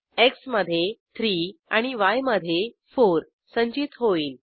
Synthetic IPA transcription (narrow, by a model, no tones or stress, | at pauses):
eksməd̪ʱːjet̪ʰɾiːaɽ̃iʋajməd̪ʱje | foɾ | səɲd͡ʑiːt̪ɦoiːl